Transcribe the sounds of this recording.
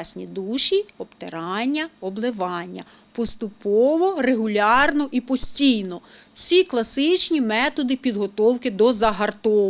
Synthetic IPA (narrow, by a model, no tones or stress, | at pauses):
sʲnʲḭd̪uʃʲiɔpt̪eɾɑnʲːɐɔblˠɪʋɑnʲːɐ̰ | pɔst̪ʊpɔʋɔreɦʊlʲɑrnɔʔipɔsʲtʲijnɔwsʲiklˠɐsɪt͡ʃnʲimɛt̪ɔd̪ɪpʲid̪ɦɔt̪ɔwkɪd̪ɔzɐɦɐrt̪ɔ